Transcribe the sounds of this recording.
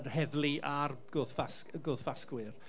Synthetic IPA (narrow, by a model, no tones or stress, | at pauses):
rhɛðliarɡ̥oːðfaskɡoːðfaskwɪr